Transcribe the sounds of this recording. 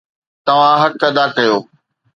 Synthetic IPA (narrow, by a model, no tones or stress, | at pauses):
t̪ɐʋ̤ãɦɐkɐd̪aːkɐjoː